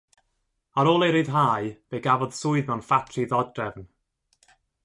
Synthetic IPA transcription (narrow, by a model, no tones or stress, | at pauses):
aɾoːlˠeɾɨðɦaːjveːɡavɔð̥sʊɨðmɛwnfatʰriðɔdrɛvn